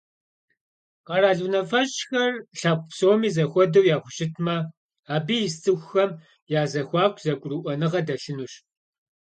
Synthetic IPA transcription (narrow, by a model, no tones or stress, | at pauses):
qɐɾaːɮunɐfɐɕxɐrɬaːqʷʊpsowmiːzɐxʷɔdɐwjaːχʷʊʃɪtʰmɐ | aːbiːjɪstʰʼɨxʷxɐm | jaːzɐxʷɑːkʷʰzɐkʷʼʊruʔʷɔnɨʁɐdɐɬɨnuːɕ